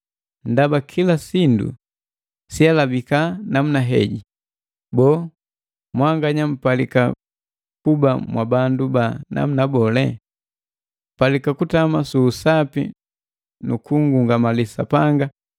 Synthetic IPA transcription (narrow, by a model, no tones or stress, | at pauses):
ndabakʰilasindṵ | sialabikanamunaɦɛ̰ɟi | bɔː | mwaŋɡaɲam̩palika̰ | kuba̰mwʔabandubana̰munabɔlɛ̰ | m̩palikakutamasuːsapḭ | nukuŋɡuŋɡamalisa̰paŋɡa